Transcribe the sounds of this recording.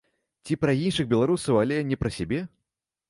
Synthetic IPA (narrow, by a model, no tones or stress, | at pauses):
t͡sʲipɾɐinʂɨɣbʲɛlˠaɾusɐwalʲɛnʲɛpɾɐsʲabʲɛ